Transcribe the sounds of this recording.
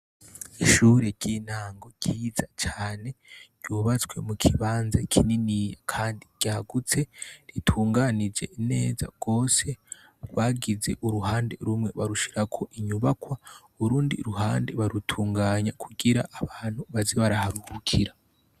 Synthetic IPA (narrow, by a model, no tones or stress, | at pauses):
iʃuːɾeɟinhaːŋɡo̞ɟ̥iːzat͡ʃaːne̞ɟ̥juːβat͡sɡwe̞mukʰiβaːnza̰kʰininijakʰaːndiɟ̥aaɡut͡se̞ɾitʰuːŋɡanid͡ʒe̞̰ʔine̞̰ːza̰ɡ̥o̞ːse̞ | ɡwaːɡize̞ʔuɾuɦaːnde̞̰ɾumŋe̞βaɾuʃiɾakʰo̞ʔiɲuβakwauuɾuːndḭɾuɦaːnde̞βaɾutʰuːŋɡaːɲakʰuɡiɾa̰ʔːβaːn̥huβaziβaɾahaɾuhukʰiɾa